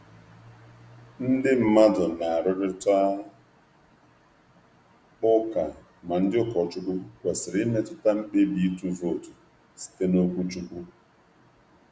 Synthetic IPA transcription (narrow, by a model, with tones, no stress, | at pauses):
n̩˦dɪ˦m̩˦ma˦dʊ˨na˨a˨ɾʊ˦ɾɪ˦ta˦ | ʊ˦ka˨ | ma˨n̩˦dɪ˦ʊ˦kɔ˨t͡ʃu˦kʊ˦kʷe˨sɪ˨ɾɪ˦me˦tʊ˦ta˦m̩˦k͡pe˦bi˨i˦tu˦vo˦˨tu˨ | si̥˨te˦no˦kʷu˦t͡ʃu˦kʷu˦